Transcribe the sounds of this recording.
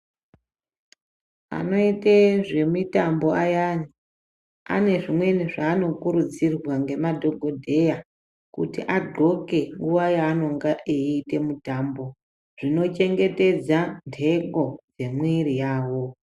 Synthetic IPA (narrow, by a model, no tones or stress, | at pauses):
a̰no̞iteʐe̞mitambo̞ajani | a̰ne̞ʐimwe̞niʐaːno̞kuɾud͡zirwaŋɡe̞madʱo̞ɡʱo̞dʱe̞ja | kṵtḭʔaɡʱo̞ke̞ŋɡuʋajaːno̞ŋɡaʔiiːte̞mutambo̞ | ʐ̥ino̞t͡ʃe̞ŋɡe̞te̞d͡zantʰe̞ɡo̞d͡ze̞mwiɾijaːwo̞